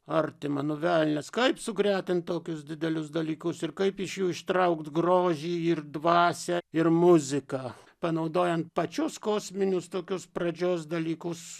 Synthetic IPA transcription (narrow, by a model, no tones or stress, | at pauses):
ɐrt̪ʲɪmɑnoːʋʲælʲnʲɛskɐɪpsʊɡɾʲæːt̪ʲɪntt̪oːkʲʊsd̪ʲɪd̪ʲɛlʲʊsd̪ɐlʲiːkʊsɪrkɐɪpɪʃjuːɪʃt̪ɾɐʊkt̪ɡɾoːʒʲiːɪrd̪ʋɑːsʲɛɪrmʊzʲɪkɑː | pɐnɐʊd̪oːjɛnt̪̚pɐt͡ʃʲʊskoːsʲmʲɪnʲʊst̪oːkʲʊsprɐd͡ʒʲoːs̬d̪ɐlʲiːkʊs